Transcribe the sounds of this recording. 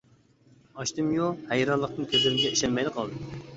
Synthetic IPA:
ɑʃt̪ɨmjohæjɾɑnlˠəq̚nɨnkʲʰøzlɪɾɪmɡʲɛiʃɛlmɛjd̪ɨqʰɑlˠd̪ɨ

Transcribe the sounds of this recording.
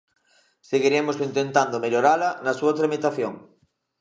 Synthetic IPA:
seɣiɾemosint̪ent̪and̪omeʎoɾalɐnɐsuɐt̪ɾamit̪aθjoŋ

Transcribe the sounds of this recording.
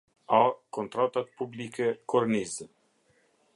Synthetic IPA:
akɔnt̪ɾat̪at̪publikɛkɔɾniz

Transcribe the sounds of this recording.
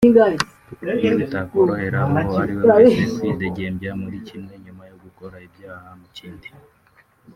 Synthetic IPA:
iŋɡai | etakɾoheɾamoaɾiwaeesideɟembjamuɾicinweɲumajoɡukoɾaebjaːhamuciːndi̥

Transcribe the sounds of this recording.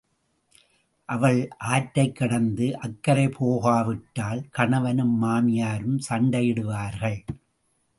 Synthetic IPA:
ʔɐʋɐɭʔaːʈːɐɪkːɐɽɐnd̪ɯʔɐkːɐɾɐɪpʰoːɣaːʋɪʈːaːlkɐɳɐʋɐnɯmːaːmɪjaːɾɯmsɐɳɖɐjɪɽɯʋaːɾɣɐɭ

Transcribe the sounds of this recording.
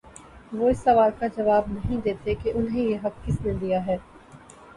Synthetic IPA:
ʋoɪsːɐʋaːlkad͡ʒɐʋaːbnɐɦĩd̪eːt̪ekeʔʊnɦẽjeɦɐk̚kɪsnẽd̪ijaɦɛː

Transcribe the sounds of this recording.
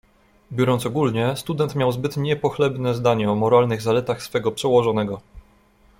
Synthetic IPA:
bʲjɔɾɔnsɔɡulɲɛst̪ud̪ɛnt̪mʲjawzbɘt̪ɲɛpɔxlɛbnɛzd̪aɲɛɔmɔɾalnɘɣzalɛt̪axsfɛɡɔpʂɛwɔʐɔnɛɡɔ

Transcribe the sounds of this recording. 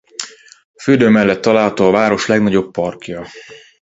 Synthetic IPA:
ɒføːd̪øːmɛlːɛt̪ːɒlaːlɦɒt̪oːɒvaːɾo̞ʃlɛɡnɒɟo̞bːɒrkjɒ

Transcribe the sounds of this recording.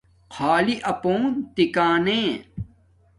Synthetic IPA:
kʰaːliʔɐpoːnt̪ikaːnẽː

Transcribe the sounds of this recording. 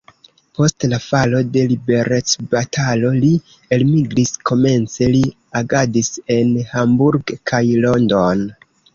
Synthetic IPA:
po̞stlafalo̞de̞libe̞ɾe̞t͡sbatʰalo̞li | e̞lmiɡlisko̞me̞nt͡se̞li | aɡadise̞nhambuɾɡkʰajlo̞ndon

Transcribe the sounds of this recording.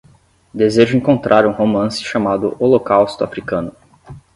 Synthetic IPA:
d̪ezeʒʊẽŋkõnt̪ɾʔaɾũhomɐ̃sɪ̥ʃamad̪ʊʔolokawst̪ʊa̰fɾikɐ̃nʊ

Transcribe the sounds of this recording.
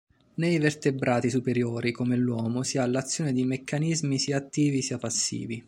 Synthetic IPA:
nejvert̪ebɾʔaːt̪isupeɾjoːɾikomelwɔːmosialːat̪sːjɔːned̪imekːanizmisiat̪ːiːvisiapasːḭːvi

